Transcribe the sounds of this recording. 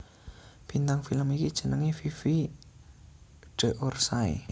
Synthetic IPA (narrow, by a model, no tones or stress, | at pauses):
b̥int̪aŋfiləmikid̥ʒ̥ə̤nəŋififi | ɖ̥ə̤ʔorsaḛ